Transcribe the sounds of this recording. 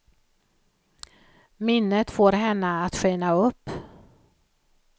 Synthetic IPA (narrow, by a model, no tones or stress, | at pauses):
mɪnːət̪foːɾɦɛnːəat̪ɧeːnaɵpː